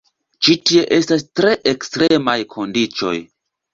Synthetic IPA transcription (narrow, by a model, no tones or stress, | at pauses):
t͡ʃitie̞ʔe̞stastɾe̞ʔekstɾe̞majkʰo̞ndit͡ʃo̞̰j